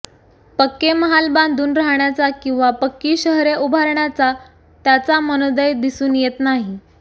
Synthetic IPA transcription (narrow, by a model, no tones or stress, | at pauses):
pəkːeməɦalband̪uːnɾaɦɳjat͡sakĩw̃ʋapəkːiːɕəɦɾeʔubʱaɾɳjat͡sa | t̪jat͡samənod̪əjd̪isuːnjet̪naɦi